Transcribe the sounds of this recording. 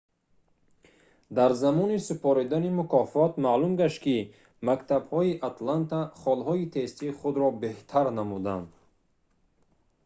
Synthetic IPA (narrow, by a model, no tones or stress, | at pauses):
d̪aɾzamɔnisupʰɔɾid̪animukʰɔfɔt̪malumɡaʃt̪ki | makt̪ʰabhɔiʔat̪lant̪ʰaχɔlɦɔit̪ʰe̞st̪iχud̪ɾɔbe̞ht̪ʰaɾnamud̪a̰nd̪